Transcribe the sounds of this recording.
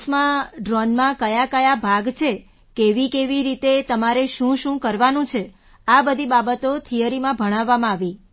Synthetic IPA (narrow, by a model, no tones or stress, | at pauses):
smãɖɾɔnmãkəjakəjabʱaɡt͡ʃʰe | keʋikeʋiɾit̪et̪əmaɾeʃũʃũkəɾʋanũt͡ʃʰe | abəd̪ʱibabət̪ot̪ʰijəɾimãbʱəɽ̃aʋːamãːʋi